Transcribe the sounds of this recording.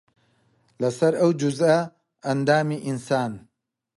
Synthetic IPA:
lɐsɐɾɐwd͡ʒuzɐ | ɐnd̪aːmiʔinsaːn

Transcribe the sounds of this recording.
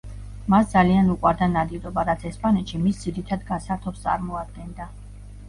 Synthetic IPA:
masd̪zalianukʼwaɾd̪anad̪iɾɔbaɾat̪sʰɛspʼanɛt̪ʃimisd̪ziɾit̪ʰad̪ɡasaɾt̪ʰɔst̪ʼa̰ɾmɔad̪̥̚ɡɛnd̪a

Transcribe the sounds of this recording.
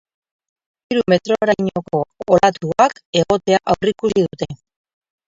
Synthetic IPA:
iɾume̞t̪ɾo̞ɾaɲo̞ko̞ːlat̪uake̞ɣo̞t̪e̞aʔawrikusiðut̪e̞

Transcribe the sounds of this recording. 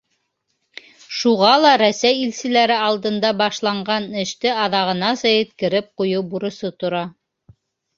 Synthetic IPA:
ʃuʁɑlˠɑɾæsæjilsɘ̆læɾɘɑlˠd̪ɤ̆nd̪ɑbɑʃlˠɑɴɢɑnɘ̆ʃt̪ɘɑðɑʁɤ̆nɑsɑjɘ̆t̪kɘ̆ɾɘp̚qujɤwbuɾŏsot̪ŏɾɑ

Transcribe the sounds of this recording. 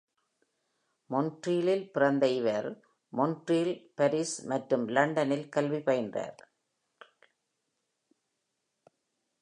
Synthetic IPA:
mɔnʈriːlɪlpɪrɐnd̪ɐɪʋɐɾ | mɔnʈriːlpɐɾismɐʈɾɯmlɐɳɖɐnɪlkɐlʋipɐɪndra̰ːɾ

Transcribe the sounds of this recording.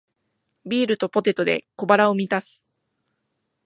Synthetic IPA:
bʲiːɾɯ̟t̪o̞po̞t̪e̞t̪ːo̞d̪e̞̰ko̞baɾaomʲit̪asɨ̥

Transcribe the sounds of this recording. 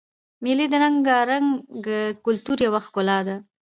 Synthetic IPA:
milid̪əɾaŋɡɑɾaŋɡəkʊlt̪uɾjawaxkolɑd̪a

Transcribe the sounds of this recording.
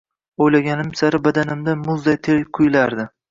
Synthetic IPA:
ojlaɡʲanɪmsaɾɪbad̪anɪmd̪amʊzd̪ajt̪ʰeɾqʰʊjlaɾd̪ɪ

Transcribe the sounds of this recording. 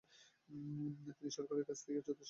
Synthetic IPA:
at̪iniʃɔɾkaɾeɾkat͡ɕʰt̪ʰeked͡ʑot̪oʃ

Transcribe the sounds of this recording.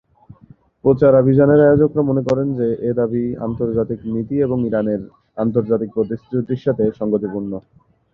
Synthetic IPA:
pɾot͡ɕaɾabʱid͡ʑaneɾaeod͡ʑokɾamonekɔɾend͡ʑeʔed̪abia̰nt̪oɾd͡ʑat̪iknit̪ieboŋiɾaneɾ | ant̪oɾd͡ʑat̪ik̚pɾot̪ist̪it͡ɕud̪iɾʃat̪ʰeʃɔŋɡot̪ipuɾno

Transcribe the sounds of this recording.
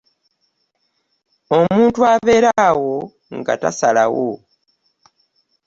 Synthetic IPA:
o̞muːntuaːβe̞ːɾawo | ŋɡa̰ta̰salawo̰

